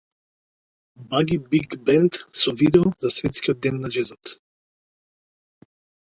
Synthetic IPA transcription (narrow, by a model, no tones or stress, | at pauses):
baɡibiɡbɛnt̪sɔvid̪ɛɔzasvɛt̪skiɔd̪̚d̪ɛnːad͡ʒɛzɔt̪